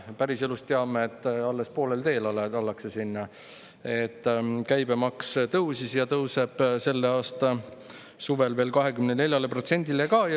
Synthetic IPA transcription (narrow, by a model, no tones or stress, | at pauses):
pæɾiselust̪eɑmeet̪ːɑlːespo̞ːle̞lt̪e̞ːlɑleɑlːɑkse̞sinːɑ | et̪ːˑkæjbemɑkst̪ɤwsisjɑt̪ɤwse̞b̥se̞lːe̞ɑːst̪ɑ | suvelve̞ːlkɑɦe̞kymnene̞lʲjɑlepro̞t̪se̞nʲd̪ilekɑːj